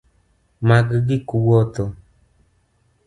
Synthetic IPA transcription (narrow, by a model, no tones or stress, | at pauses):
maɡɡɪkuwɔt̪ɔ